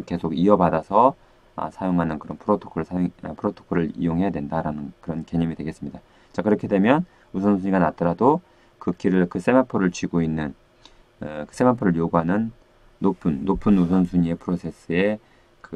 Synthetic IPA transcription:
ke̞sʰoɡiʌbadasʰʌ | ʌ̰sʰajoŋɦanɯnkɯɾʌnpʰɯɾotʰo̥kʰʌɾɭsʰajopʰɯɾotʰo̥kʰʌɾɯɭḭjoŋɦe̞jadwe̞ndaɾanɯnkɯɾʌnke̞ɲʌmidweɡe̞s͈ɯmɲida | t͡ɕakɯɾʌkʰe̞dwe̞mjʌn | usʰʌnsʰuɲiɡanat͈ʌɾado | kɯkʰiɾɯɭkɯs͈e̞mapʰoɾɯɭt͡ɕiɡoinːɯn | kɯs͈e̞mapʰoɾɯjoɡuɦanɯnː | opʰɯnːopʰɯnusʰʌnsʰuɲie̞pʰɯɾosʰe̞s͈ɯe̞ | kɯ

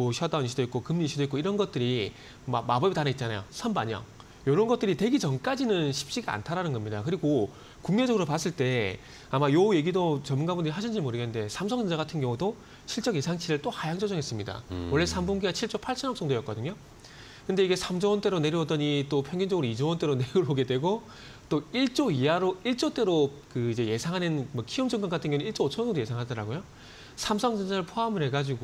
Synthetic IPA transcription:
oɕʰjʌdanɕʰidoit̚k͈okɯmɲiɕʰidoik͈oiɾʌnɡʌt̚t͈ɯɾi | mamabʌbitaneit̚t͡ɕana̰jo̰sʰʌnbaɲʌ̰ŋ | jʌɾʌnɡʌt͈ɯɾite̞ɡit͡ɕʌnk͈ad͡ʑinɯnɕʰi̥p̚t͡ɕ͈iɡaa̰ntʰaɾanɯnɡʌmɲidakɯɾiɡo | kuŋmed͡ʑʌɡɯɾopas͈ɯɭt͈e̞ | amajoje̞ɡidot͡ɕʌmunɡabundɯɾiɦaɕ̬ʰind͡ʑiɭmoɾɯɡenɯnde̞sʰamsʰʌŋɯnd͡ʑaɡatʰɯnɡjʌŋudo | ɕʰiɭt͡ɕ͈ʌɡisʰaŋt͡ɕʰiɾɯɭt͈ohajaŋd͡ʑʌd͡ʑʌŋɦe̞s͈ɯmɲida̰wʌɭːe̞sʰambunɡiɡat͡ɕʰiɭt͡ɕ͈opʰaɭt͡ɕʰʌnʌk̚s͈ʌŋdojʌtk͈ʌdɯɲo | kɯnde̞iɡe̞sʰamd͡ʑʌwʌnt͈eɾone̞ɾuʌdʌɲit͈opʰjʌŋɡjind͡ʑʌɡɯɾoid͡ʑowʌnt͈e̞ɾoneɾuɭɦoɡe̞dwe̞ɡo | t͈oiɭt͡ɕ͈oiaɾoiɭt͡ɕ͈ot͈e̞ɾo | kɯid͡ʑe̞je̞sʰaŋɦanɯnmwʌkʰiɯmd͡ʑʌŋɡanɡatʰɯnɡjʌŋuiɭt͡ɕ͈ot͡ɕʰʌŋdoje̞sʰaŋɦadʌɾa̰ɡojo | sʰamsʰʌŋd͡ʑʌnd͡ʑaɾɯɭpʰoamɯɭɦe̞ɡad͡ʑiɡo

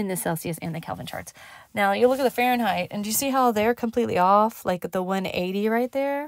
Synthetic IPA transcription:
ɨ̃nðɨsɛlˠsiɨsɨ̰̃nðɨkʰɛ̰lˠvə̃nt͡ʃʰɑ̰ɹts | naʊjɨlʊkɨt̪̚ðəfɛɹɨ̃nɦaɪtɨ̰̃ndɨjɨsiɦaʊðə˞kʰm̩pʰl̥itˡlḭɔflʔaɪkɨt̪̚ðəwʌ̃nḛɪɾiɹaɪt̪̚ðə˞

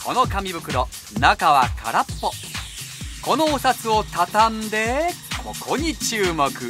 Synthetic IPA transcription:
kʰo̞no̞kamʲibɯ̟kɯ̟ɾo | nakaβa̰kʰa̰ɾapːo | ko̞noːsat͡sɨo̞t̪at̪ãnd̪e̞kʰo̞kʰoɲ̟it͡ɕɨːmo̞kɯ̟

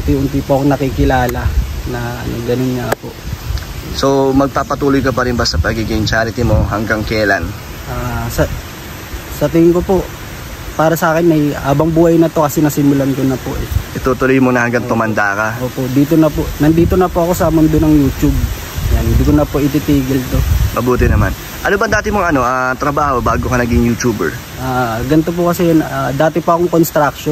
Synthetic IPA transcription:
t̪iʔʊnt̪ipʊʔɐkonɐkikɪlaːlɐnɐ̰no̰ɡɐnonŋapo̞̰ʔ | so̞mɐɡ̚paːpɐt̪uːlojkɐpɐɾɪnbɐsɐpɐɡiɡint͡ʃaːɾɪt̪imo̞ɦɐŋɡaŋkɛːla̰n | ʔaːsɐ | sɐt̪ɪŋɪŋkopo̞ʔ | paːɾɐsɐʔaːkɪnɐjhaːbɐŋbuːhɐjnɐt̪o̞kɐsɛnɐsɪmʊlɐnkonɐpo̰ʔɛʔɪt̪ut̪ʊlojmonɐhɐŋɡaŋt̪ʊmɐnd̪a̰ːkaʔoːpo̞ʔd̪iːt̪onɐpoʔnɐnd̪iːt̪o̞nɐpoʔɐko̞sɐmʊnd̪onɐŋjuːt͡ʃub̚ | janhɪnd̪ikonɐpoʔɪt̪it̪iːɡɪlt̪o̞mɐbuːt̪ɪnɐman | ʔɐnobɐŋd̪aːt̪ɪmoŋɐno̞ʔat̪ɾɐbaːho̞baːɡokɐnɐɡɪŋjut͡ʃuːbɛ̰ɹ | ʔaːɡɐnt̪op̬ʊkɐsɛnaːd̪aːt̪ɛpoɐkoŋkonst̪ɾak̚ʃo

